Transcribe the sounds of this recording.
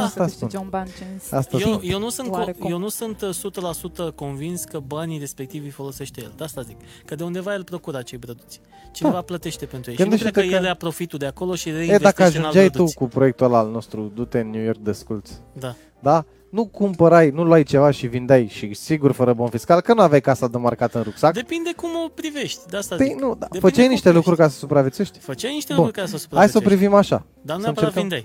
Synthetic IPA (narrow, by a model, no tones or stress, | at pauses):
ast̪aspunonband͡ʒenast̪aejewnusɨnkoje̞wnusɨnt̪sut̪əlasut̪əko̞nvinskəbaniɾe̞spe̞k̚t̪ivifo̞lo̞se̞ʃt̪ejeld̪ast̪azik | kəd̪eund̪evajelpɾo̞kuɾəat͡ʃe̞jbɾod̪ut̪sʲ | t͡ʃinevaplət̪e̞ʃt̪e̞penɾujeɡɨnd̪eʃkɾied̪jeleapɾo̞fit̪ud̪e̞ako̞lo̞ʃiɾeejd̪akəaʒounald͡ʒajdt̪uu̥kupɾoe̞k̚t̪ualalno̞st̪ɾud̪ut̪enːjujo̞rk̚d̪eskult̪s | d̪a | d̪a | nukumpəɾajnulwajt͡ʃe̞vaʃivind̪eajʃisiɡurfəɾəbonfiskalkənuavʲjajkasad̪əmarkat̪ɨnɾuksakd̪epinekumopɾive̞ʃt̪ʲd̪east̪p̪ijnud̪afət͡ʃajniʃt̪e̞lukɾuɾʲrʲkaɾesəsupɾavet̪seʃt̪ʲfət͡ʃajniʃt̪eunɾuɾkaɾesəsu̥pɾahajsəopɾivimaʃa̰ | d̪ansəneknaj